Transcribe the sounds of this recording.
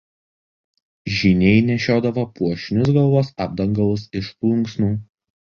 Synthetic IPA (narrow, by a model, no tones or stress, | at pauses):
ʒʲɪnʲɛɪnʲɛʃʲoːd̪ɐʋɐpuɔʃʲɪnʲʊsɡɐlˠʋoːsɑːb̚d̪ɐŋɡɐlˠʊsɪʃplˠʊŋˑksnuː